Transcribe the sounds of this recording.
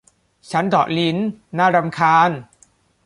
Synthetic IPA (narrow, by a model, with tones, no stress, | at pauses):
t͡ɕʰa˦˥ndɔ̰ː˨˩li˦˥nːaː˥˩ɾa˧mkʰaː˧n